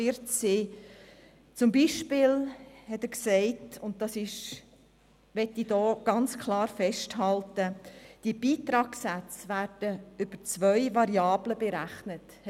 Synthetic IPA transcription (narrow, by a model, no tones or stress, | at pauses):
ɪɾtt͡ssiː | t͡sʊmbiːʃpɪːlhɛtəksɛɪtʊnt̚d̥ɑsɪʃ | ʋɛtːid̥ɔːɡ̥ɑnt͡skʰlɑːɾfɛʃthɑltəd̥iəb̥iːt̪ɾɑːksæt͡svæɾd̥əʏb̥ət͡sʋœʏʋɑɾjɑːbləbeɾæχnət